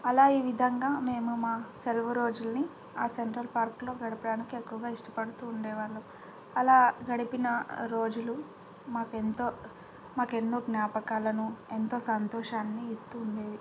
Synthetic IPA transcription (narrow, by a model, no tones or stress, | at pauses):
ɐlaːiːʋid̪ʱɐŋɡaːme̞ːmumaːselʋɐɾo̞ːd͡ʒulni | aːseɳʈɾɐlpaːɾklo̞ːɡɐɽɐpɐɽaːnikiekːuʋɐɡaːiʂʈɐ̥pɐɽut̪uːɳɖɛːʋaːɾlu | ɐlaːɡɐɽɐpinɐɾo̞ːd͡ʒulu | maːkent̪oː | maːke̞nːoːɡnjaːpɐkaːlɐnue̞nt̪o̞ːsɐnt̪ɔːʂaːnːiːst̪uːnd̪eːʋi